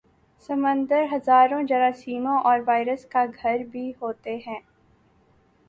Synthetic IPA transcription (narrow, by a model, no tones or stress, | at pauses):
sɐmə̃nd̪əɾɦɐzaːɾõd͡ʒɐɾasiːmõʔɔːɾʋaːɪɾəskaɡʱɐɾbʱiɦoːt̪eɦɛ̃ː